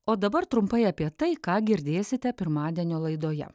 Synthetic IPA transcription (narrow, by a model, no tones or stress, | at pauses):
oːd̪ɐbɐɾt̪ɾʊmpɐɪɐːpʲiɛt̪ɐɪkɑːɡʲɪɾʲd̪ʲeːsʲɪt̪ʲɛpʲɪɾmɑːd̪ʲiɛnʲoːlˠɐɪd̪oːjɛ̰